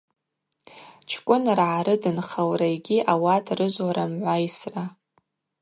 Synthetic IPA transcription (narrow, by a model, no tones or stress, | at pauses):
t͡ʃʰkʷʼʊnrʕaɾɨdɨnχawrajɡʲiʔawatʰrɨʒʷwaɾamʕʷajsra